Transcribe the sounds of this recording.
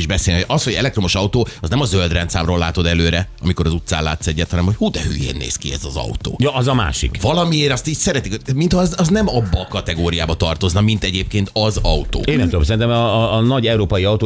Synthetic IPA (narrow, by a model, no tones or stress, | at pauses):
iʒbɛseːloʔɒsho̞ɟɛlɛkt̪romo̞ʃɒut̪oːɒznɛmɒzøld̪rɛnt̪saːmroːlaːt̪o̞d̪ɛløːɾɛɒmiko̞ɾɒzut̪saːnla̰ːt̪sɛɟːɛt̪hɒnɛmho̞chuːd̪ɛhyːjḛːnːḛːskiɛ̰zɒzɒ̰ut̪o̰ːjɒɒzɒma̰ːʃḭkvɒlɒmieːɾɒst̪iːcsɛɾɛt̪ikomint̪hɒzɒznɛmɒbːɒkɒt̪ɛɡoːɾijaːbɒt̪ɒrt̪o̞znɒmint̪ɛɟeːp̚keːnt̪ɒzɒut̪o̰ːeːnːɛmt̪ud̪omsɛɾinɛmːnɒɟɛuɾoːpɒjiɒut̪oː